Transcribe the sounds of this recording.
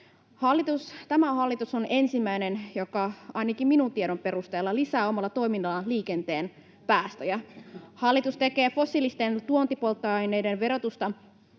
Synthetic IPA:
hɑlːit̪ust̪æmæhɑlːit̪usone̞nsimːæjne̞njokɑɑjnɑkimminunt̪ieɾo̞mpe̞ɾust̪eːlːɑlisæːo̞mɑlːɑt̪o̞iminːɑlɑliːke̞nt̪e̞ːn | pæːst̪æjɑhɑlːit̪ust̪e̞ke̞ːfo̞sːilist̪ent̪uont̪ipolt̪ːɑɑjnejdenʋe̞ɾo̞t̪ust̪ɑ

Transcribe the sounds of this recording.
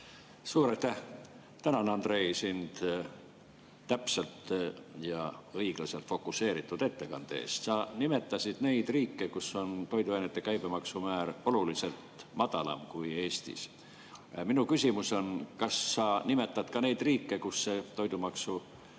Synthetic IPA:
suːɾɑjt̪ːæh | t̪ænɑnɑnd̪re̞isind̪̥ | t̪ːæpselt̪jɑɤ̞jɡ̥lɑse̞lt̪fo̞kːˑuse̞ːɾit̪ˑːud̪̥e̞t̪ːe̞kɑnd̪̥e̞̰ːst̪sɑnime̞t̪ːˑɑsid̪̥ne̞jd̪̥riːkːekuso̞nt̪o̞jd̪uɑjnet̪ˑːe̞kæjbe̞mɑksumæːɾo̞lulise̞lt̪mɑd̪̥ɑlɑ̰mkuje̞ːst̪ḭs | minukysimuso̞nkɑsːɑnime̞t̪ːˑɑd̪̥kɑne̞jd̪̥riːkːe̞kusːe̞t̪o̞jd̪umɑksu

